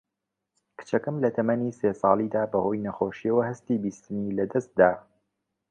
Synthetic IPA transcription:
kɨ̥t͡ʃɐkɐmlɐt̪ʰɐmɐniːseːsˤɑːlˠid̪aːbɐho̞ːjnɐxoːʃiɐwɐhɐst̪iːbist̪ɨniːlɐd̪ɐst̪̚d̪aː

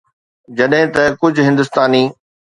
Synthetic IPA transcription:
d͡ʑɐɗɦɪ̃t̪ɐkʊd͡ʑʱʊɦɪ̃nd̪ʊst̪aːniː

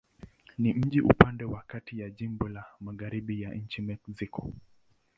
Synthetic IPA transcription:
nim̩ʄiʔupandɛwakatijaʄimbɔlamaɣaɾiɓijaɲ̩t͡ʃimɛksikɔ̰

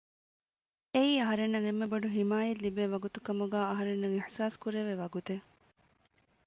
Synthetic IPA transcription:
eiːɐɦɐɾenːɐŋemːebɐɖuɦimaːjɐlibeːʋɐɡut̪ukɐmuɡæːɐɦɐɾenːɐŋiħsaːskuɾeʋeʋɐɡut̪e

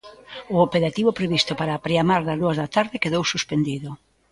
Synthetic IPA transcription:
ʊopeɾat̪iβopɾeβist̪ʊpaɾaːpɾeamaɾðazðuazðat̪aɾðɪkeðowsuspend̪iðʊ

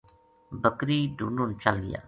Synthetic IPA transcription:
bəkɾiːɖuːnuːnt͡ʃəlɡɪ̰ja̰ː

